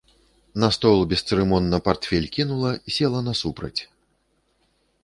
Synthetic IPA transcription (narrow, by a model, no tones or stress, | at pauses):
nɐst̪ɔlˠbʲɛst̪sɨɾɛmɔnːɐpart̪fʲɛlʲkʲinulˠɐisʲɛlˠɐnɐsupɾɐ̰t͡sʲ